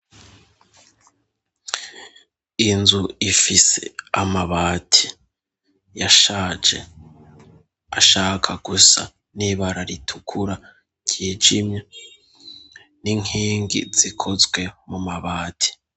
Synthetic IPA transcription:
inzuifise̞̰amaβaːtʰi̥ | jaʃaːd͡ʒe̞̰ | aʃaːkʰaɡ̥usa̰ | niβaɾaɾitʰukʰuɾa | ɟiːd͡ʒimɲe | niŋiːŋɡḭz̥ikʰo̞zɡwe̞mumaβaːtʰi̥

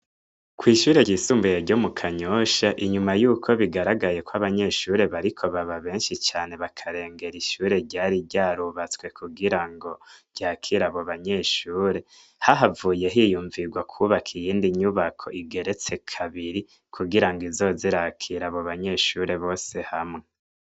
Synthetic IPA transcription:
kwiːʃuːɾe̞isuːmbujeɾɟo̞mukʰaɲoʃaʔiɲumajuːkʰo̞βiɡaɾaɡaje̞kwaβaɲe̞ʃuːɾe̞βaɾikʰo̞βaβaβe̞ːnʃit͡ʃaːne̞βakʰaɾe̞ːŋɡe̞ɾiʃuːɾe̞ɾɟaːɾiɟaːɾuβat͡swe̞kʰuɡiɾaŋɡo̞̥ | ɟ̥akʰiɾaβoβaɲe̞ʃuːɾe̞ | haɦavuːje̞ɦijuːɱviɡwakʰuβakʰijiːndiɲuβakʰo̞̰ʔiɡe̞ɾe̞t͡se̞kʰaβiɾi | kʰuɡiɾaŋɡizo̞ziɾakʰiɾaβoβaɲe̞ʃuɾe̞βo̞ːse̞hamŋe

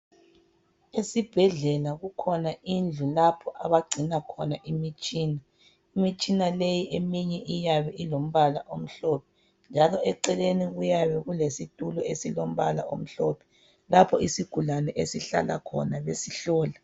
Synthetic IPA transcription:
esib̥ʱɛɮɛlaɣukʰɔnaind͡ɮʱulapʰɔʔaβaɡ͡ǀʱinakʰɔnaʔimit͡ʃʼiːna | imit͡ʃʼinalejiʔemiɲɛʔijaβɛʔilom̩βalaʔom̩ɬɔp̚ʰɛ | nd͡ʒʱalɔɛǀɛleniɣujaβɛɣulesitʼulɔesilom̩βala̰ʔo̰m̩ɬɔpʰɛ̥ | lapʰɔisiɡ̥ʱulanɛʔesiɬa̰la̰kʰɔ̰naβesiɬɔːla

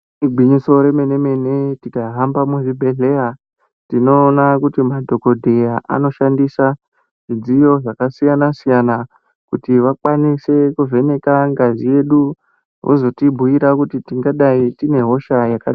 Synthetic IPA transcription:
iɡʱiɲiso̞ɾe̞me̞ne̞me̞ne̞tikaɦambamuʐibʱe̞ɮe̞ja | tino̞ːnakutimadʱo̞ko̞dʱejaʔa̰no̞ʃandisa | ʐid͡zijo̞ʐakasijanasijana | kutiʋakwanise̞kuve̞ne̞kaŋɡazije̞ɗu | ɦo̰zo̞tibʱujiɾakutitiŋɡaɗaitine̞ɦo̞ʃajakaɗa

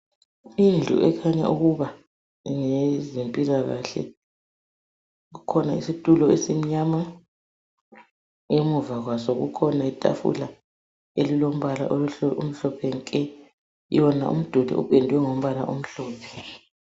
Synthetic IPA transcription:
ind͡ɮʱṵʔɛkʰaɲa̰ʔuɣuβa | ŋezempʼilaɣa̰ɬɛ̰ | ɣukʰɔnaisitʼulɔesim̩ɲama | emuvaɣwasɔɣṵkʰɔnaitʼa̰fṵla | elilom̩βala̰ʔoum̩ɬɔpʰɛŋkʼɛ | jɔna̰ʔṵm̩d̥ʱudʱḭṵpʰʼendʱʼwɛŋom̩βana̰ʔum̩ɬɔːpʰɛ̥

